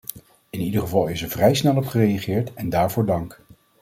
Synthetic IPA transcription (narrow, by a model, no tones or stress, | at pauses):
ɪnidəχəvɑlˠɪsɛɹvrɛjsnɛlˠɔpχərejɑχɪːɹtɛndaːɹvʊːɹdɑŋk